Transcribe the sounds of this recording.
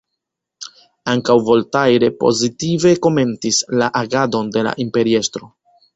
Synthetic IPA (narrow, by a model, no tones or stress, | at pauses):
aŋkawvo̞ltajɾe̞po̞̰zitive̞ko̞me̞ntislaʔaɡado̞nde̞la̰ʔimpe̞ɾie̞stɾo̞